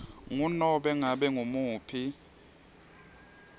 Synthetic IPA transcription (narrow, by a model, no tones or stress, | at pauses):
ŋunɔɓɛŋaɓɛŋoumuːpʰi